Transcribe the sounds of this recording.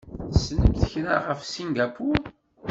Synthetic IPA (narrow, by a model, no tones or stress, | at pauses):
θsnəmθəçna̰ʁəfsiŋɡapuɾ